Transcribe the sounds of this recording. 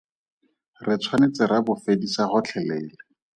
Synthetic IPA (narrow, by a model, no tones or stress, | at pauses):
rɪt͡sʰwanet͡sɪrabʊfedisaχʊt͡ɬʰɛleilɪ